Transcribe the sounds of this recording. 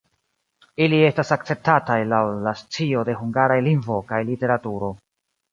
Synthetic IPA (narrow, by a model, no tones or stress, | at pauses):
ilie̞stasak̚t͡se̞p̚tatajlawlast͡sio̞de̞ɦuŋɡaɾajliŋvo̞kajlite̞ɾatuɾo̞